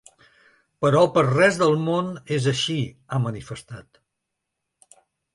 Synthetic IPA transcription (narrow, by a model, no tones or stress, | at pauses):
pəɾɔpəɾrɛzðəlˠmonezəʃi | amənifəst̪at̪